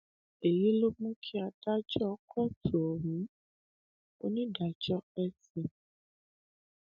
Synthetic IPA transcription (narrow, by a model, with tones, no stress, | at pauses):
e˨ji˨˦lo˦mũ˦kʰi˦a˧da˦d͡ʒɔ˦kʰɔ˦˨tʰo˨ɔ˨wũ˨˦ | o˦nĩ˦da˨d͡ʒɔ˦ɛ˧sĩ˨